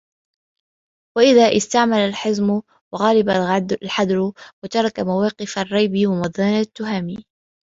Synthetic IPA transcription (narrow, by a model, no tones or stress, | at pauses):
waʔɪðaːʔɪst̪aʕmalalħɪzm | wɑɣaːlɪballħad̪ɾwat̪ɑɾˤɑkamawɑːqɪfarˤːɑjbiːwamɑd̪ˤaːnat̪ːʊɦaːmiː